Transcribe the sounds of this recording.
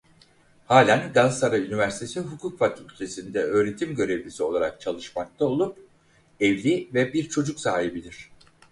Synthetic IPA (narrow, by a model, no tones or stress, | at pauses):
haːlʲænɡansaɾaynivæɾsi̥t̪ʰesiɦukʰukfakʰylʲt̪ʰesind̪ɛø̞ːɾe̞t̪ʰimɟø̞ɾe̞vlʲisio̞lˠaɾak̚t͡ʃʰalˠɯʃmak̚t̪ʰao̞lˠup̚ | ɛvlʲivɛbiɾt͡ʃʰo̞d͡ʒuksaːɦibilʲiɾ̝̥